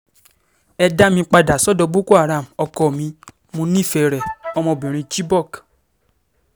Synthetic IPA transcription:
ɛ˧da˦mĩ˧k͡pa˧da˨sɔ˦dɔ˧bo˦ko˦a˨ɾa˨m˨ɔ˧kɔ˨mĩ˧ | mũ˧˦nĩ˦˨fɛ˨ɾɛ˨ɔ˨˧mɔ̃˧˨bĩ˨ɾ̃ĩ˧t͡ʃi˦bɔ˦˨k

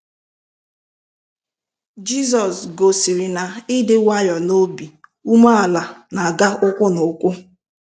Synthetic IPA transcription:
d͡ʒi˦zɔ˨sɡo˨sɪ˨ɾɪ˨na˨ɪ˦dɪ˨wa˦jɔ˨no˦bi˨u˦ma˦a˨la˨na˨ɡa˦ʔʊ˦kʷʊ˦nʊ˨˦kʷʊ˦

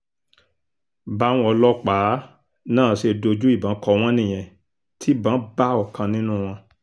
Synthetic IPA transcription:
ba˦w̃ɔ˧lɔ˦k͡pa˨˦ | nãː˦˨ʃe˧do˧d͡ʒu˦i˦˨bã˨˦kɔ˧w̃ɔ̃˦nĩ˦˨j̃ɛ̃˨ | tʰi˦bã˨˦ba˦ɔ˦˨kã˧nĩ˦nũ˦˨w̃ɔ̃˧

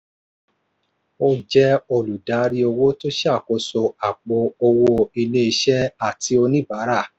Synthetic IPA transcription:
o˦d͡ʒɛ˦o˧lu˨da˨˦ɾi˦o˧wo˦to˦ʃa˦˨ko˨˧so˧a˨ɡ͡bo˧˦o˧wo˧i˧nẽ˦i˧ʃɛ˦a˦˨ti˧˦o˧nĩ˦ba˨˦ɾa˦˨

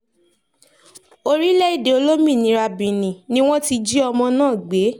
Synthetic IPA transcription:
o˧ɾi˦lɛ˦i˦˨de˨o˧lo˦mĩ˦˨nĩ˨˦ɾa˧bĩ˨nĩ˨nĩ˦w̃ɔ̃˦ti˧d͡ʒi˦ɔ˧mɔ̃˧nãː˦˨ɡ͡be˨˦

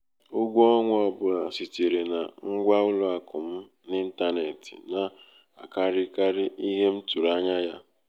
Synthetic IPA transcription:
ʊ˦ɡʷu˦ɔ˦ŋʷ˦ɔ˨bʊ˨na˨si˨te˨ɾe˨na˨ŋ̩˦ɡʷa˦ʊ˦lʊ˦a˨kʊ˨m̩˦ | nɪ˦n̩˦ta˦ne˨tḭ˨na˨ | a̰˨ka˦ɾɪ˦ka˦ɾɪ˦i˦ɦe˦m̩˦tu˨ɾa˦ɲa˦ja˦

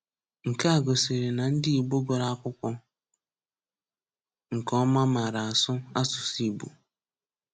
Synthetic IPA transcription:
ŋ̩˨ka˦a˨ɡo˨si˨ɾe˨na˨n̩˦dɪ˦i˨ɡ͡bo˦ɡo˨ɾa˦˨kʷʊ˦kʷɔ˦ | ŋ̩˨kɔ˦ma˦ma˨ɾa˨a˨sʊ˦a˦sʊ˨si˦˨bṵ˨

